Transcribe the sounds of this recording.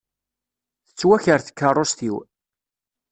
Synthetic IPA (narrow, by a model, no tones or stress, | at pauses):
θə̥t͡sːwæçəɾθə̥kːərˤːost̪iw